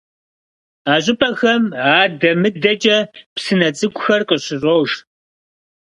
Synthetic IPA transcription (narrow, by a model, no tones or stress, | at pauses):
aːʑʼɪpʰʼɐxɐmaːdɐmɨdɐt͡ʃʼɐpsɨnɐt͡sʼɨɡʷʰʼʊxɐrqʼəɕɪʑʷʼowʒ